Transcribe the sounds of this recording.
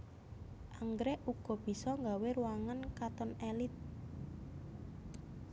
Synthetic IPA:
ʔaŋɡɾɛʔuɡ̥ɔ̤b̥i̤sɔŋɡaweɾuwaŋankat̪ɔnelɪt̪̚

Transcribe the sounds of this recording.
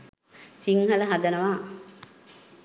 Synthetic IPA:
siŋɦɐləɦad̪ənəʋaː

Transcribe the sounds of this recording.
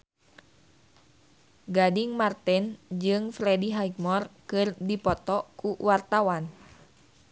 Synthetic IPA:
ɡadiŋmart̪ɛnd͡ʒɨŋfɾɛdiɦajk̚mɔrkɨrdipɔt̪ɔkuwart̪awan

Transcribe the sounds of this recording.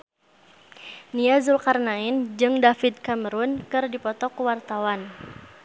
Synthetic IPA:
niazulkarnaɪnd͡ʒɨŋdafid̪̚kaməɾʊnkɨrdipɔt̪ɔkəwart̪awan

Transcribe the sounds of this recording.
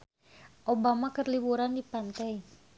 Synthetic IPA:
ʔobamakərlibuɾandipant̪ɛi

